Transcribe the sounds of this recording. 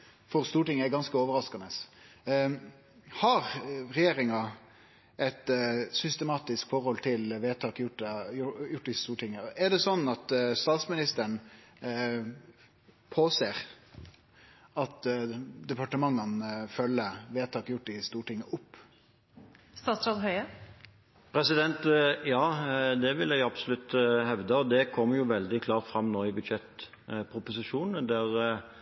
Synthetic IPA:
fɔɾst̪uːʈɪŋːəæɾɡɑnskəoːʋəɾɑskɑnəs | hɑɾɾɛjeːɾɪŋɑ | ʔɛt̪sʏst̪ɛmɑːt̪ɪskfɔɾhɔlt̪ʰɪlʋeːt̪ʰɑːkjʊʈːəʊjʊʈːɪst̪uːʈʰɪŋːəɛɖ̪ɛsɔnːɑt̪st̪ɑːt̪smɪnɪst̪əɳ | pʰoːseːʁ | ɑt̪d̪ɛpɑʈəmɑŋːənfœlːəʋeːt̪ʰɑːkjʊʈːɪst̪uːʈɪŋːəʔʊpː | st̪ɑːt̪sɾɑd̪ɦœʏə | pʰɾɛsɪd̪ɛnt̪jɑːd̪ɛʋɪljæɪɑbsɔlʉt̪ːhɛʋd̪əɔd̪ɛkʰɔmːjʊʋɛld̪ɪkʰlɑːɾt̪fɾɑmːnoːɪbʉd̪ʃɛt̪ | pʰɾʊpʊsɪʂuːnəd̪æʁ

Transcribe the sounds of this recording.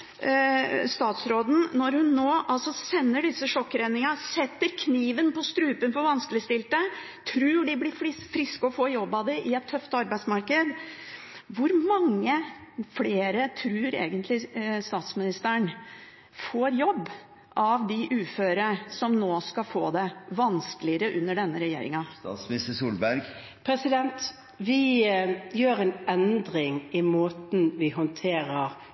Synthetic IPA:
st̪ɑːt̪sɾoːd̪n̩nɔɾhʉnːoːʔɑlsɔsɛnːəɖɪsːəʂɔkːɾɛnɪŋɑsɛt̪ːəɾkʰniːʋənpɔst̪ɾʉːpənfɔɾʋɑnskəlɪst̪ɪlt̪ə | t̪ʰɾʉːɖɪblɪfɪfɾɪskəɔfoːjɔbːɑd̪ɛʔɪɛt̪ʰːœft̪ɑɾbæɪsmɑɾkəd̪ | ʋʊɾmɑŋːəfleːɾət̪ʰɾʉːɾḛːɡənt̪lɪst̪ɑːt̪smɪnɪst̪əɳ | foːɾjɔbː | ʔɑʋd̪ɪʔʉːføːɾəsɔmnoːskɑlfoːd̪ɛʋɑnskəlɪəɾəʔʉnːəɖɛnːəɾɛjḛːɾɪ̰ŋɑsəsuːlbæɾɡ | pʰɾɛsɪd̪ɛnt̪ | ʋɪ | jøːɾɛnɛnd̪ɾɪŋɪmoːt̪n̩ʋɪɦɔnt̪ʰeːɾəʁ

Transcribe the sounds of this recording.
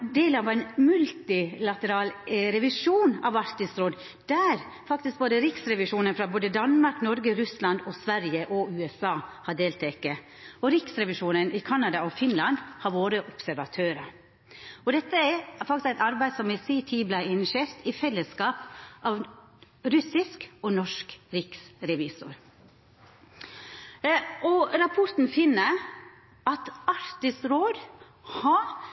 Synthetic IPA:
d̪eːlənɑʋæɪnmʉlt̪ɪlɑt̪əɾɑːlɾɛʋɪʂuːnɑ̰ʋɑɾt̪ɪsɾoːd̪ | d̪æɾ | fɑkt̪ɪsk̚boːd̪əɾɪksɾɛʋɪʂuːnənfɾɑboːd̪əd̪ɑnmɑɾknɔɾɡəɾʉslɑnd̪ɔsʋæɾjəʔɔʉːɛsɑːhɑɖeːlt̪ʰɛkːə | ɔɾɪksɾɛʋɪʂuːnənʔɪkʰɑnːɑd̪ɑɔfɪnlɑnd̪hɑɾʋoːɾəʔɔpsæɾʋɑt̪ʰøːɾə | ɔd̪ɛt̪ːəæɾfɑk̚t̪ɪskæɪt̪ɑɾbæɪsɔmɛsiːt̪ʰiːblæɪɪnʂeːɾt̪ɪfɛlːəskɑːpʔɑːʋ | ɾʉsɪskɔnɔʂkɾɪksɾɛʋiːsʊɾ | ɔɾɑpʰɔɾt̪n̩fɪnːə | ɑt̪ɑɾt̪ɪsɾoːd̪ | hɑ

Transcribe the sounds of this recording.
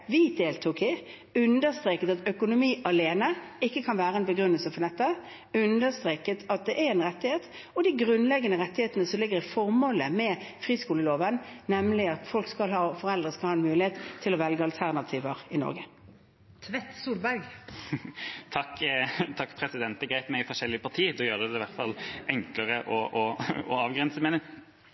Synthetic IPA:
ʋɪd̪eːlt̪ʰuːkɪ | ʉnd̪əst̪ɾeːkət̪ɑt̪œkʊnʊmiːʔɑleːnəɪkːəkʰɑnʋæːʁəɛnbəɡɾʉnːəlsəfɔnɛt̪ːə | ʉnd̪əst̪ʁeːkət̪ʰɑt̪̚d̪ɛʔæɾɛnʁɛt̪ːɪheːt̪ | ɔd̪ɪɡɾʉnlɛɡːənəʁɛt̪ːɪheːt̪ənəsɔmlɪɡːəʁɪfɔʁmoːləmɛfʁiːskuːləloːʋənnɛmlɪɑt̪fɔlkskɑlhɑːfɔʁɛld̪ʁəskɑlhɑːɛnmʉːlɪheːt̪ʰːɪlɔʋɛlɡəɑlt̪ʰæʁnɑt̪ʰiːʋəʁɪnɔ̰ʁɡə | t̪ʰʋɛt̪ːsuːlbæɾɡ | t̪ʰɑkːt̪ʰɑkːpʰɾɛsɪd̪ɛnt̪ɛɡɾæɪt̪mæɪɪfɔʂɛlːɪəpʰɑʁt̪ʰiːd̪ɔjøːʁəd̪ɛʋæʁt̪fɑ̰lɛŋkləʁəʔɔʔɔɔɑːʋɡʁɛnsəmeːnɪŋ

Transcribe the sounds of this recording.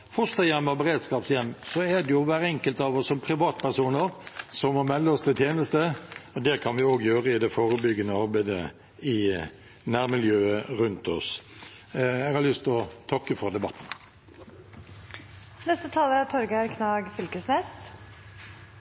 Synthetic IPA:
fɔst̪əjɛmːəbəɾeːd̪skɑːpsjɛmːsɔæd̪ɛjʊʋæːɾəɛŋkəlt̪ɑːʋɔsːɔmpʰɾɪʋɑːt̪pæʁsuːnəɾsɔmmɔmɛlːəɔst̪ʰɪlt̪jeːnəst̪əɔd̪ɛkʰɑnʋɪoːɡjøːʁəɪd̪ɛfoːɾəbʏɡənəɑɾbæɪd̪ə̰ | ɪ | næːɾmɪljøːəɾʉnt̪ɔ̰s | ɛɡhɑɾlʏst̪ɔt̪ʰɑkːəfɔɾd̪ɛbɑt̪ːn̩ | nɛst̪ət̪ʰɑːləæt̪ʰɔɾɡæɾkʰnɑːɡfʏlkəsneːs

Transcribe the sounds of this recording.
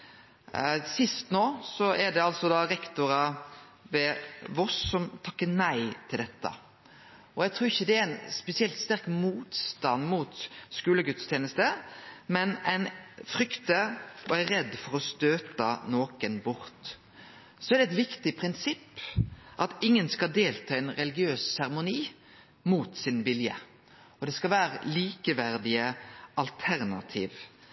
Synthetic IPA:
sɪst̪noːsɔɛɖɛɑlsɔd̪ɑɾɛkt̪ʊɾɑ | ʋɛʋɔsːɔmt̪ʰɑkːənæɪt̪ʰɪld̪ɛt̪ːə̰ | ɔæɡ̚t̪ʰɾuːɪçːəd̪ɛæɾæɪnspɛsɪɛlt̪st̪æɾkmuːt̪st̪ɑnːmuːt̪skʉːləɡʉt̪st̪ʰjeːnəst̪əmɛnæɪnfɾʏkt̪əɔæɾɛd̪ːfɔɾɔst̪øːt̪ənoːkənbʊɾt̪ | sɔæɾɖ̪ɛɛt̪ʋɪkt̪ɪpʰɾɪnsɪpːʔɑt̪ɪŋːənskɑld̪eːlt̪ʰɑːɛɪnɾɛlɪɡɪøːssæʁɛmʊniː | muːt̪sɪnbɪljə̰ | ɔd̪ɛskɑlʋæːɾəliːkəʋæɾd̪ɪəʔɑlt̪ʰæɾnɑ̰t̪ʰiːʋ

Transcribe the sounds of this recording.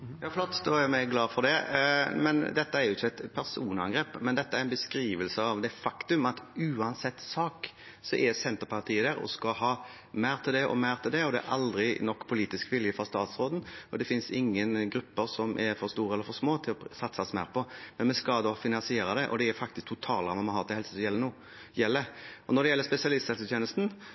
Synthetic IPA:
jɑːflɔt̪ːd̪ojæɾmɛɡlɑːfɔd̪ɛmɛnd̪ɛt̪ːəæɾjʊɪçːəɛɪt̪pʰæɾsuːnɑŋɡɾeːpːmɛnd̪ɛt̪ːəæɾɛnbəskɾiːʋəlsəɑʋd̪ɛfɑkt̪ʉmɑt̪ʉːɑnsɛt̪ːsɑːk | sɔʔɛsɛnt̪əɾpʰɑʁt̪ʰiːəd̪æːɾɔ̰skɑɦɑː | mæɪɾt̪ʰɪld̪ɛʔɔ̰mæɪʁt̪ʰɪld̪ɛɔd̪ɛæ̰ɾʔɑld̪ɾɪnɔkːpʰʊliːt̪ɪskʋɪljəfɾɑst̪ɑːt̪sɾoːd̪n̩ɔd̪ɛfɪnsɪŋːənɡɾʉpːəɾsɔmʔɛɾfɔɾst̪uːɾəɛlːəɾfɔɾʂmoːt̪ʰɪlɔsɑt̪ːsɑsmæ̰ːɾpɔmɛnmɛskɑld̪ɔfɪnɑnsɪeːɾɑd̪ɛʔɔ̰d̪ɛæɾfɑk̚t̪ɪsk̚t̪ʰʊt̪ʰɑːlɑmɑnmɑhɑːt̪ɛhɛlsəsjɛlːənuː | jɛlːəʔɔnɔɾd̪ɛjɛlːəspɛsɪɑlɪst̪ʰɛlsət̪ʰjeːnəlst̪n̩

